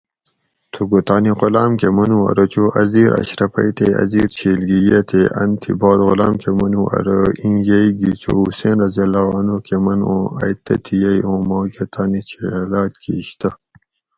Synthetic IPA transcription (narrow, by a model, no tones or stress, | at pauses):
t̪ʰuɡut̪aːniqolaːmkemɐnuɐ̰ɾɐt͡ɕoːʔɐziːɾʔɐ̰ɕɾɐfɐjt̪ʰeɐ̰ziːɾt͡ɕʰiːlɡijet̪ʰeʔɐnt̪ʰḭboːd̪ɣʊlaːmkemɐnuʔɐ̰ɾəiŋjɐiɡit͡ɕo̰useːnɾɐziɐlaːnokemɐnõɐ̰jt̪ɐ̰t̪ʰijɐjõːmoːket̪ʰaːnit͡ɕʰelaːt̪kʰḭɕt̪ɐ